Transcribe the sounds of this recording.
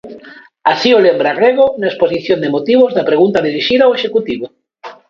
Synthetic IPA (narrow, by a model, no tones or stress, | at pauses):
asiolembɾareɣonaesposiθjond̪emot̪iβozðapɾeɣunt̪aðiɾiʃiðaoeʃekut̪iβo